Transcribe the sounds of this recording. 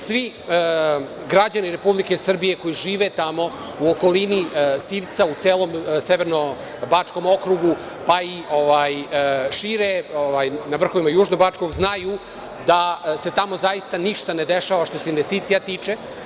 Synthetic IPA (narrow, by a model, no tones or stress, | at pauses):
sʋi | ə | ɡɾad͡ʑaniɾepublikesr̩bije̞ko̞jiʒiːʋet̪amo̞ | uoko̞linisiːʋt̪saut̪eːlˠo̞mseʋeɾno | bat͡ʂko̞mo̞kɾuɡu | paiʔoʋajʃiːɾeoʋajnaʋr̩xoʋimajuːʒnobat͡ʂko̞ɡznaju | d̪ase̞t̪amo̞zajist̪aniʃt̪ane̞d̪eʃaʋaʃt̪o̞seinʋest̪iːt̪sijat̪iːt͡ʂe